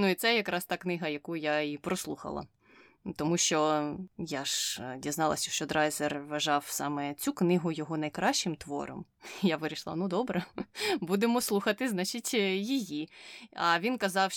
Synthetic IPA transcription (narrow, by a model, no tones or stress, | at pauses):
nuit̪sɛjɐkɾʔɑst̪ɑknɪɦɐjɐkujjaipɾɔslˠuxɐ̰lˠɐ̰ | t̪ɔmuʃt͡ʃɔjaʒdʲiznɑlˠɐ̰sʲɐʃt͡ʃɔd̪ɾɑjzerʋɐʒɑwsɑmɛt͡sʲuknɪɦʊjɔɦɔnɐjkɾɑʃt͡ʃɪmt̪ʋɔ̰ɾɔ̰m | jaʋɪɾʲiʃlˠɑ̰nud̪ɔbɾɐbud̪emɔslˠuxɐt̪ɪznɑt͡ʃitʲjijiɐʋʲinkɐzɑw